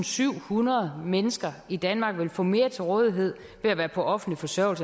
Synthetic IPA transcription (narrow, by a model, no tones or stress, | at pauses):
nsyʊ̰hunɐð̞̩ˠmenəsɡ̥ɐid̥ænmɑ̈ɡ̥ʋe̝lfɔ̰̽me̝ːɐt͡sʰe̝lʁɔ̽ːð̞ˠiɦe̝ð̞̰ˠ | ʋeæʋæːɐpʰɒ̽ʔɒ̽fn̩lifɒ̽sœɐʊ̰lsə